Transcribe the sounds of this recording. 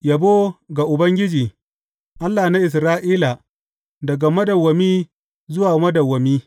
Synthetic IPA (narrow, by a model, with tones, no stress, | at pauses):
ja˨boː˦ɡa˨ʔʊ˨bɐ˦ŋɡʲɪ˦d͡ʒiː˨ | ʔa˦lːaː˨na˦ʔɪ˨s̬ɾaː˦ʔiː˦la˨ | dɐ˨ɡa˨mɐ˦dɐ˨wːɐ˨miː˦ | zʊ˦waː˨mɐ˦dɐ˨wːɐ˨miː˦